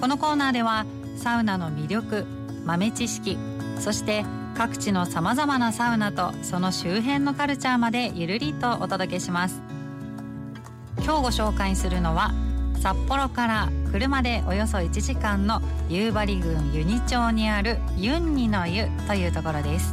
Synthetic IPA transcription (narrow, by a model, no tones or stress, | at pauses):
ko̞no̞ko̞ːnaːd̪e̞β̞a | saɯ̟nano̞mʲiɾʲjo̞kɯ̟ | mame̞t͡ɕiɕi̥kʲi | so̞ɕi̥t̪e̞ | kakɯ̟̥t͡ɕino̞samazamanasaɯ̟nat̪o̞so̞no̞ɕɨːɦẽ̞nːo̞kaɾɯ̟t͡ɕaːmad̪e̞jɯɾɯ̟ɾʲit̪o̞ʔot̪o̞d̪o̞ke̞ɕimasɨ̥ | kʲo̞ːɡo̞ɕo̞ːkaisɨɾɯ̟no̞βasapːo̞ɾo̞kaɾakɯ̟ɾɯ̟mad̪e̞ʔo̞jo̞so̞it͡ɕiʑikãnːo̞ | jɯːbaɾʲiɡɯ̟̃ɰjɯ̟ɲ̟it͡ɕo̞ːɲ̟iaɾɯ̟ | jɯ̟̃ɲ̟ːino̞jɯ̟ | t̪o̞jɯ̟ːt̪o̞ko̞ɾo̞d̪e̞sɨ̥